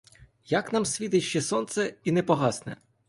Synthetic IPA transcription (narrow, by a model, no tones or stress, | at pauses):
jaknɑmsʲʋʲit̪ɪʃt͡ʃɛsɔnt̪sɛinɛpɔɦɑsnɛ̰